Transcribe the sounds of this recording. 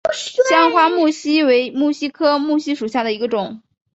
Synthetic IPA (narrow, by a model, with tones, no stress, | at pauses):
ɕjɑ˥ŋxwa˥mu˥˩ɕi˥we˧˥ɪmu˥˩ɕi˥kʰɤ˥mu˥˩ɕi˥ʂu˨˩ɕja˥˩d̪ə˩i˧˥ɡə˧ʈ͡ʂʊ˨˩˦ŋ